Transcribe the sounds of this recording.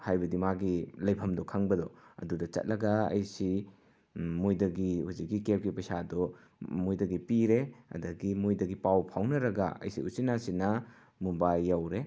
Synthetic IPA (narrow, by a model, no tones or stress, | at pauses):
hajbɐdimaɡilɐjpʰɐmdɔkʰaŋbɐdɔɐ̰dudɐt͡ʃɐ̰t̚lɐɡɐɐ̰jsi | mujdɐɡihuzik̚ɡikep̚ɡipɐsadɔ | mojdɐɡipiɾeɐ̰dɐɡimujdɐɡipawpʰawnɐɾɐɡɐɐ̰jsḭusinasinɐ | mubajːawɾe